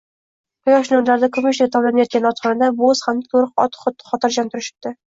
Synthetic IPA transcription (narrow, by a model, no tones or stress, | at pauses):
qʊjɒʃnʊɾlaɾd̪akʰomusaɡʲat̪ʰɒblanajɒt̪̚ɡʲanɒt̪χɑnad̪aboz̥hamd̪at̪ʰoɾɨqɒ̰t̪χt̪χɒt̪ɪɾd͡ʒant̪ʊɾɪʃɪ̥p̚t̪ɪ